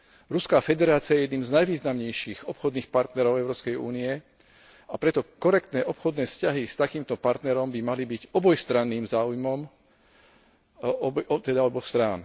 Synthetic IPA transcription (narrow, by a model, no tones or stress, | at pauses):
ɾuskaːfɛd̪ɛɾaːt͡siajɛjɛd̪niːmznajʋiːznamɲɛjʃiːxɔpxɔd̪niːxpaɾt̪nɛɾɔʊɛʊɾɔːpskɛjṵːniɛ | apɾɛt̪ɔkɔɾɛkt̪nɛːʔɔpxɔd̪nɛːfscaɦist̪akiːmt̪ɔpaɾt̪nɛɾɔmbimalibiɟɔbɔjst̪ɾanːiːmzaːujmɔm | t̪ɛd̪aɔbɔxst̪ɾaːn